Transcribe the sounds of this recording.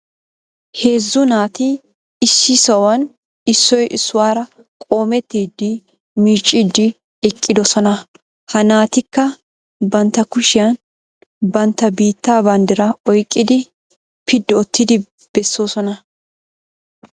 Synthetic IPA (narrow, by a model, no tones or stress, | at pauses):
he̞ːzːʊnaːt̪ɪ | ɪsːɪsɐwɐn | ɪsːɔjʔɪsːʊwaːɾɐ | kʼo̞ːmɛt̪ːiːd̪ːɪ | miːt͡ʃʼːid̪ːɪ | ɛkʼːɪd̪ɔsɔnɐ | hɐnaːt̪ɪkːɐ | bɐnt̪ːɐkʊʃɪjɐn | bɐnt̪ːɐbiːt̪ːaːbɐnd̪ɪɾɐɔjkʼːɪd̪ɪ | pʰɪd̪ːɔɔt̪ʰːɪd̪ɪ | b̥ɛsːo̞ːsɔnɐ